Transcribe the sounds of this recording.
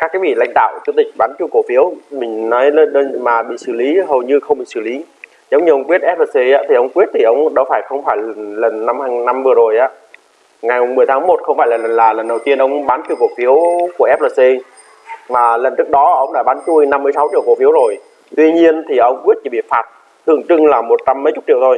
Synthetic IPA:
ka˦˥kːaː˨˦vḭ˧˨la̰˧˨ŋ̟ɗa̰ː˧˨wt͡ɕu˧t̪ï˨˩ɓaː˨˦nt͡ɕu˧jko˧˩fi˨˦əwmï˨˩ŋ̟nɔ˨˦jlə˧ɗmaː˨˩ɓḭ˧˨sɨ˧˩li˨˦ɦo˨˩wɲɨ˧xə˧ŋ͡mɓḭ˧˨sɨ˧˩li˨˦ | zə˨˦wɲ˧˨˩ʔə˧wŋ͡mkwi˦˥t̚ʔɛ˦˥p̚ləː˨˩si˧ʔaː˨˦t̪ʰi˨˩ʔə˧wŋ͡mkwi˦˥ət̚t̪ʰi˨˩ʔə˧wŋ͡mɗɔ˨˦faː˧˩jxə˧wŋ͡mfaː˧˩jnlə˨˩nːa˧mhaː˧ŋna˧mvɨ˨˩əzo˨˩jʔaː˨˦ | ŋa˨˩jm˨˩ŋ͡mmɨ˨˩əjt̪ʰaː˨˦mo˨˩t̚xə˧wŋ͡mfaː˧˩jlaː˨˩lə˨˩nlaː˨˩lə˨˩nɗə˨˩wt̪i˧ənʔə˧wŋ͡mɓaː˨˦nt͡ɕi˧˨wko˨˩fi˨˦əwku˧˩əʔɛ˦˥p̚lə˨˩si˧ | vaː˨˩lə˨˩nt͡ɕɨ˦˥ək̚ɗɔ˨˦ʔə˧wŋ͡mɗa̰ː˧˩ɓaː˨˦nt͡ɕu˧jna˧mːɨ˧əsa˨˦wt͡ɕḭ˧˨əwko˧˩fi˨˦əwzo˨˩j | t̪wi˧ɲi˧ənt̪ʰi˨˩ʔə˧wŋ͡mkwi˦˥ət̚t͡ɕi˧˩ɓḭ˧˨˩faː˨˩t̚ | t̪ʰɨ̰˧˨əŋt͡ɕɨ˧ŋlaː˨˩mo˨˩t̚t͡ɕa˧mːə˨˦t͡ɕʊ˦˥t̚t͡ɕḭ˧˨wt̪ʰo˧j

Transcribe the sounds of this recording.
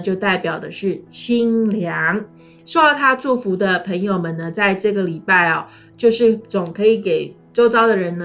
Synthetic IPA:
t͡ɕjo˥˧ʊt̪a˥˩ɪpjɑ˨˩ʊd̪ə˦ʂɻ̩˥˩t͡ɕʰi˥ŋljɑ˧˥ŋ | ʂo˥ɑ˥˧˩t̪ʰa˥t͡swu˥˩fu˧˥d̪ə˧pʰə˧˥ŋjo˨˧ʊmə˨nə˩t͡sa˥˧ɪʈ͡ʂɤ˥˩ɡə˩li˨˩pa˥˩ɪɐ˨˩ | t͡ɕjo˥˧ʊʂɻ̩˥˩t͡sʊ˨˩ŋkʰɤ˧˥i˧˥ke˨˩ɪt͡so˥ʊt͡sɑ˥ʊd̪ə˨ɻə˧˥nn˧

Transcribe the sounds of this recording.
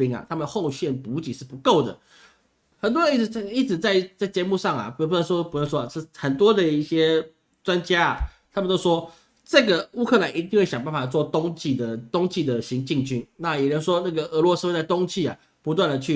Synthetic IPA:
i˧˥ŋa̰˨˩t̪ʰa˥mə˨n˧xo˥˧ʊɕɥɛ˥˩npu˧˥t͡ɕi˨˩ʂɻ̩˥˩pu˧˥ko˥˩ʊd̪ə̰˩ | xə˨˩nt̪̬wɔ˥ə˦ni˥˩˨i˥˩t͡sɻ̩˨˩t͡sa˥˧ɪt͡sa˥˩ɪt͡ɕjɛ˧˦mu˥˧ʂɑ˥˩ŋa̰˨˩p̪nʂwɔ˥pu˧˥nə˥˧ʂwɔ˥˨˧ʂɻ̩˥˩xə˨˩nt̪wɔ˥d̪ə˨i˥˩ɕjɛ˥ | t͡swa˦nt͡ɕja˥a˩t̪ʰa˥mə˨˧t̪o˥ʊʂwɔ˥ | ʈ͡ʂɤ˥˩ɡə˩u˥kʰɤ˥˩la˧˦ni˧˥t̪̬i˥˧ŋxwe˥˩ɪɕjɑ˨˩ŋpa˥˩nfa˨˩t͡swɔ˥˨˩t̪ʊ˥ŋt͡ɕi˥˩d̪ə˩t̪ʊ˥ŋt͡ɕi˥˩d̪ə˩ɕi˧˥ŋt͡ɕi˥˧ŋt͡ɕy˥nna˥˩jɛ˨˩ɻə˧˦nʂwɔ˥na˥˩ɡə˩ʔə˧˥lwɔ˧˥s̩˥wa˥˧˩t̪ʊ˥ŋt͡ɕʰi˥˩a̰˨˩ | pu˧˥t̪̬wa˥˩nd̪ə˩t͡ɕʰy˥˩

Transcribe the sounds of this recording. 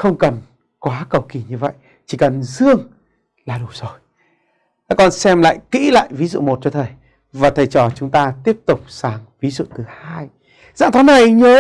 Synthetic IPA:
xə˧wŋ͡mkə˨˩n | kwaː˨˦kə˨˩wki˨˩ɲɨ˧və̰˧˨j | t͡ɕi˧˩kə˨˩nzɨ˧əŋ | laː˨˩ɗu˨˩z̥o˨˩j | a˧˦kɔ˧˩nsɛ˧mla̰ː˧˨jkḭ˧˥la̰ː˧˨jvi˨˦zṵ˧˨mo˨˩t̚t͡ɕɔ˧t̪ʰə˨˩j | vaː˨˩t̪ʰə˨˩jt͡ɕɔ˨˩t͡ɕʊ˨˦ŋ͡mt̪aː˧t̪i˦˥əp̚t̪ʊ˨˩k͡p̚saː˨˦ŋvi˨˦zṵ˧˨t̪ɨ˨˩haː˧j | za̰ː˧˥ŋt̪ʰɔː˨˦na˨˩jɲəː˨˦

